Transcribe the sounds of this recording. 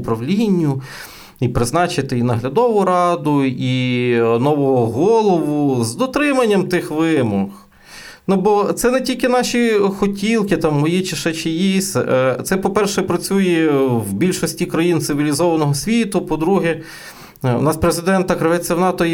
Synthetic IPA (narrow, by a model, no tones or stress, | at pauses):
pɾɐʋlʲinʲːʊ | ipɾɪznɑt͡ʃɪt̪ɪinɐɦlʲɐd̪ɔʋʊɾɑd̪ʊinɔʋɔɦɔɦɔlˠɔʋʊzd̪ɔt̪ɾɪmɐnʲːɐmt̪ɪxʋɪmɔx | nubɔt̪sɛnɛtʲilʲkɪnɑʃʲixɔtʲilˠkɪt̪ɑmːɔjit͡ʃɪʃɛt͡ʃɪjisʲt̪sɛpɔpɛrʃɛpɾɐt͡sʲujɛwbʲilʲʃɔsʲtʲikɾɐjint̪sɪʋʲilʲizɔʋɐnɔɦɔsʲʋʲit̪ʊpɔd̪ɾuɦɛ | ʊ̰nɑspɾezɪd̪ɛnt̪ɐkɾɐʋɛt͡sʲːɐwnɑt̪ɔj